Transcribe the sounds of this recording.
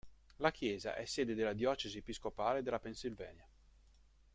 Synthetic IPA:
lakjɛːza̰ʔɛsːɛːd̪ed̪elːad̪jɔːt͡ʃeziepiskopaːled̪elːapensilvɛ̰ːnja

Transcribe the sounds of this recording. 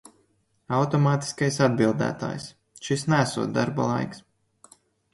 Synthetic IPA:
awt̪ɔmaːt̪i̥skajsad̪̚bilˠd̪æ̰ːt̪a̰ːjs | ʃisnæsuɔt̪̚d̪aɾba̰lˠa̰jks

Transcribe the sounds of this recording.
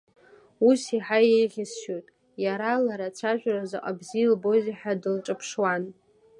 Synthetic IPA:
usiħajejʁʲɪsʃotʼ | jaɾalaɾat͡ʃʷʰaʒᶣʷrazaqʼa̰bzilbo̞ziħadɨlʈ͡ʂʼɨpʰʂwan

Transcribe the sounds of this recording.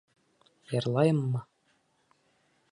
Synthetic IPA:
jɤ̆ɾlˠɑjɤ̆mːɤ

